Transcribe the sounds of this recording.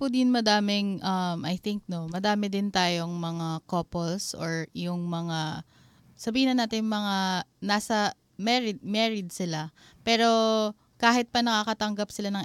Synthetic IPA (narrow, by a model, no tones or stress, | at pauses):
pʊd̪ɪnmɐd̪aːmɪŋʔɐmʔɐjθɪŋk̚no̞mɐd̪aːmɪd̪ɪnt̪aːjoŋmɐŋakopolsʔoɹjʊŋmɐŋa | sɐbiːhɪnɐnaːt̪ɪjʊŋmɐŋanaːsɐ | mɛɹɪd̪̚mɛɹɪd̪̚sɪla | pɛːɾo̞ | kaːɦɪt̪̚pɐnɐkakɐt̪ɐŋɡɐpsɪlanɐŋ